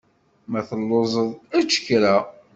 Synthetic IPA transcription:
mæθəlːozˤəðˤæt͡ʃːə̥kːɾæ

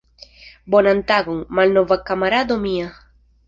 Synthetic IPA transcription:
bonant̪aɡoŋmalnovakamaɾad̪omia

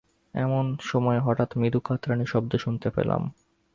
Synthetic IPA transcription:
ɛmonʃɔmɔeɦɔʈat̪mid̪ukʰat̪ːɾaniʃɔb̚d̪eʃunt̪epḛla̰m

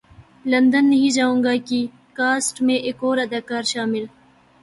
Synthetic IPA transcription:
lɐnd̪ənːɐɦĩd͡ʒaũŋɡaːki | kaːsʈmẽʔekoːɾad̪akaːɾʃaːmɪl

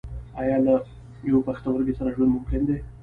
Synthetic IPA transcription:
ajɑla | jawepaxt̪awəɾɡesaɾaʒwand̪mʊmkɪnd̪e

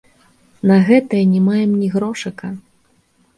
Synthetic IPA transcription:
nɐɣɛt̪ɐjɛnʲɛmajɛmnʲiɣɾɔʂɨkɐ

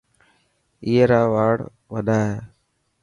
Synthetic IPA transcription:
iːeːɾaːʋaːɽ | ʋəɗʱaːɦeː

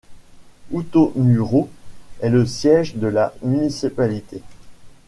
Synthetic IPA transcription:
ut̪omyʁoɛləsjɛʒd̪əlamynisipalit̪e

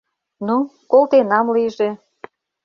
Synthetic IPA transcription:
nukolt̪enɑmliʒĕ

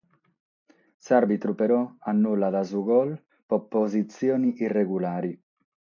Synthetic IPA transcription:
sarbit̪ɾupeɾɔanːulːad̪azuɡɔl | popːozit̪sjɔːniʔirːeɣulaːɾi

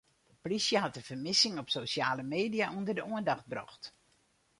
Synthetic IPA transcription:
əprisjəɦatəv̥əmɪsɪŋɔpsosjaːləmeːdijaʔundərdəuəndaxt̚brɔ̰xt

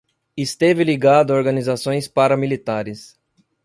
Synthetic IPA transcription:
ɪst̪evɪliɡad̪ʊoɾɡɐnizasõj̃spaɾɐmilit̪aɾɪs

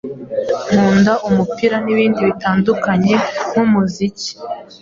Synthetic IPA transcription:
m̥huːndaʔumupiɾaniβiːndiβitaːndukaɲe̞n̥umuzici̥

